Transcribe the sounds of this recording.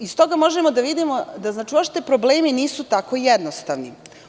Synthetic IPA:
ist̪o̞ɡamo̞ʒemo̞d̪aʋid̪imo̞d̪aznaːt͡ʃioʃt̪epɾo̞bleːminiːsut̪ako̞jɛd̪nost̪aʋni

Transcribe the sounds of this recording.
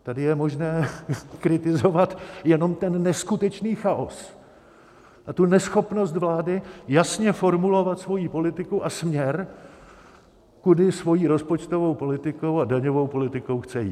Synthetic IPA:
t̪adɪjɛmo̞ʒnɛːkɾɪt̪ɪzo̞vat̪jɛno̞mt̪ɛnːɛskut̪ɛt͡ʃniːxaʔos | ʔat̪unɛsxo̞pno̞st̪vlaːdɪjasɲɛfo̞ɾmulo̞vat̪svo̞jiːpo̞lɪt̪ɪkuʔasmɲɛɾ | kudɪsvo̞jiːɾo̞spo̞t͡ʃt̪ovo̞wpo̞lɪt̪ɪko̞wadaɲo̞vo̞wpo̞lɪt̪ɪko̞wxt͡sɛjḭː

